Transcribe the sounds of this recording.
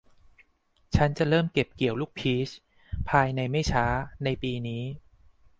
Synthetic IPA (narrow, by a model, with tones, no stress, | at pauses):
t͡ɕʰa˦˥nt͡ɕa˨˩ɾɤː˥˩mke˨˩p̚ki˨˩əwluː˥˩k̚pʰiː˦˥t͡ɕ | pʰaː˧jna˧jma˥˩jt͡ɕʰaː˦˥na˧jpiː˧niː˦˥